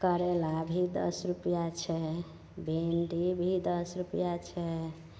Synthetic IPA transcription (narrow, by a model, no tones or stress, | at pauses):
kəɾɛlabʱid̪ə̰sɾupjat͡ʃʰɛ | bʱenɖibʱid̪əsɾupjat͡ʃʰɛ